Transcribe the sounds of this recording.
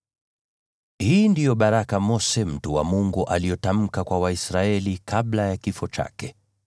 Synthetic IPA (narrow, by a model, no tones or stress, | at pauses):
hiːndijɔɓaɾakamɔsɛm̩tuwa̰muŋɡuʔalijɔtam̩kakwawaisɾaɛlikʰablajakifɔt͡ʃa̰kɛ